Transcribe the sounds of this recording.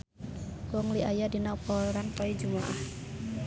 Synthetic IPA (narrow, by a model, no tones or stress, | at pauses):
kʊŋliajadinɔpɔɾanpɔid͡ʒumaʔa̰h